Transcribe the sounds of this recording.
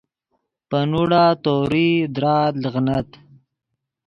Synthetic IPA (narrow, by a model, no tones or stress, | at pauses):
pənuɽat̪oɾid̪ɾɑːd̪lɣnat̪